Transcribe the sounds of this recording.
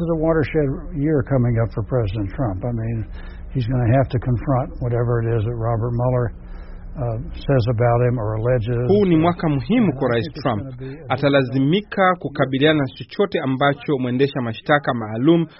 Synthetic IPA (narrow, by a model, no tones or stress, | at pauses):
ɨzəwɔɾə˞ʃɛd̚jɪɹkʰʌmɪ̃ŋʌpfə˞pʰɹ̥ɛzɪɾɨ̃ntʰɹ̥ʌ̃mpaɪmĩn | izɡʌnɨɦæftɨkʰə̃ɱfɹʌ̃nʔwʌɾɛvə˞ɨɾɪzðɨt̚ɹɑbə˞t̚mʌlˠə˞ | sɛzəbaʊt̚hɨ̃mə˞əlɛd͡ʒɪzhuːnimwakamuɦimukwaɾaistɹãmpatalazimikʰakukaɓiliananat͡ʃɔt͡ʃɔtɛambat͡ʃɔmuɛndɛʃamaʃtakamaːlum̩